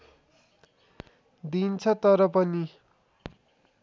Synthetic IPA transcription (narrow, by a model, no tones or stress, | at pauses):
d̪int͡sʰʌt̪ʌɾʌpʌni